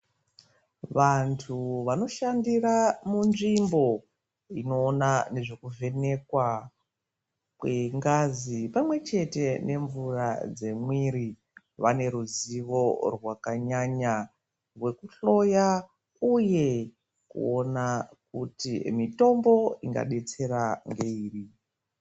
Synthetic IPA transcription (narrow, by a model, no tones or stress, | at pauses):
ʋantʰuʋano̞ʃandiɾamunʐimbo̞ | ino̞ːnane̞ʐe̞kuve̞ne̞kwa | kweŋɡazipamwe̞t͡ʃe̞te̞ne̞ɱvurad͡ze̞mwiɾi | ʋane̞ɾuziʋo̞rwakaɲaɲa | rwe̞kuɬo̞ja | uje̞ | kṵonakutimito̞mbo̞iŋɡa̰ɗe̞t͡se̞ɾaŋɡe̞iːri